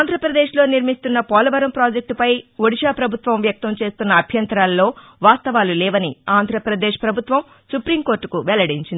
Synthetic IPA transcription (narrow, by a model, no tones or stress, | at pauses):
aːnd̪ʱɾɐpɾɐd̪e̞ːʂlo̞ːniɾmist̪unːɐpɔːlɐʋɐɾɐmpɾaːd͡ʒek̚ʈpɐjʋoɽiʃaːpɾɐbʱut̪ʋɐmʋjɐk̚t̪ɐmt͡ʃe̞ːst̪unːɐːbʱjɐnt̪ɾaːlːo̞ː | ʋaːst̪ɐʋaːlulɛːʋɐniaːnd̪ʱɾɐpɾɐd̪eːʃpɾɐbʱut̪ʋɐm | supɾimkoːɾʈːukuʋɛlɐɽiɲt͡ʃind̪i